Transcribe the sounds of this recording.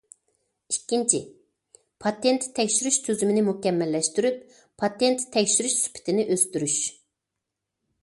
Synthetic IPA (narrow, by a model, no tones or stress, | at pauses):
ikʲːint͡ʃʰi | pʰɑt̪ent̪ʰːɛkʲʃyɾyʃt̪ʰøzymɪnɪmukʲɛmːɛlːɛʃt̪yɾyp̚ | pʰɑt̪ent̪ʰːɛkʲʃyɾyʃsy̥pʰɪ̥t̪ʰɪnɪʔøst̪yɾyʃ